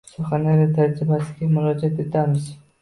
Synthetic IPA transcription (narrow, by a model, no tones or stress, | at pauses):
sɒχanaɾɪt̪ʰad͡ʒɾɪbasɪɡʲamʊɾɒd͡ʒɒt̪e̞t̪ʰamɪz